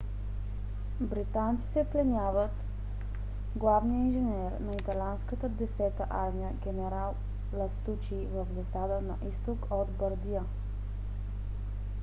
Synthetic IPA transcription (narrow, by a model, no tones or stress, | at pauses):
bɾit̪ant̪si̥t̪ɛplɛnʲjavət̪ | ɡlˠavnijəinʒɛnɛɾnɐit̪ɐlʲanskət̪əd̪ɛsɛt̪əʔaɾmiəɡʲɛnɛɾalˠ | lɐst̪ut͡ʃivəvzɐsad̪ənɐ̰ʔist̪okod̪bəɾd̪ijə